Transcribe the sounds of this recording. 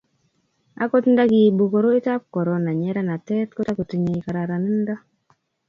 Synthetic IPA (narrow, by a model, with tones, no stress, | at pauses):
a̰˦ko˦tnda˦ɡi˨bu˨ko˨ɾo˦i˦ta˦p̚kɔ˨ɾo˨na˨ɲɛ˦ɾa˦na˨tɛ˦tko˦ta˦ko˨ti˨ɲe˨i˨ka˨ɾa˨ɾa˨ni˦nda˦